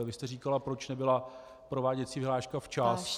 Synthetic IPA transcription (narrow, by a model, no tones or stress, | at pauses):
vɪst̪ɛriːkalapɾo̞t͡ʃnɛbɪla | pɾo̞vaːɟɛt͡siːvɪɦlaːʃkaft͡ʃas